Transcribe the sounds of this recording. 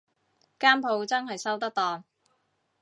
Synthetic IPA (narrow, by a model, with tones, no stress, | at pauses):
kaː˥mpʰo˨˧wt͡sɐ˥nɦɐ˨jsɐ˥wt̪ɐ˥k̚t̪ɔː˨ŋ